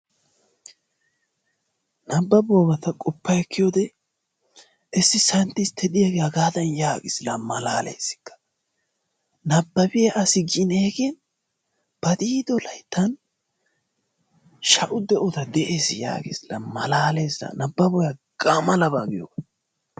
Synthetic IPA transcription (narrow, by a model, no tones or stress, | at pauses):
nɐbːɐbɔbɐt̪ɐkʼɔpːɐjɛkʰːɪjoːd̪ɛ | ʔɛsːɪsɐnt̪ɪst̪ʰɛd̪ɪjɐɡeɐɡaːd̪ɐnjaːɡɪsɪlɐmɐlaːlḛːsɪ̥kːɐ̥ | nɐbːɐbɪjɐʔɐsɪɡɪneːɡen | b̥ɐd̪iːd̪ɔlɐjt̪ːɐn | ʃɐʔʊd̪ɛʔɔt̪ɐd̪ɛʔeːsɪja̰ːɡɪ̰sɪlɐ̰mɐlaːleːsɐ̰nɐbːɐbɔjɐɡɐmɐlɐbaɡɪjo̰ɡ